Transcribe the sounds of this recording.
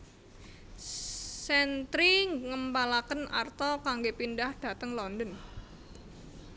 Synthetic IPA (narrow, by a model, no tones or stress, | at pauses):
sɛnt̪ɾiŋəmpalakəna̰rt̪ɔkaŋɡepindahd̥a̤t̪əŋlɔndən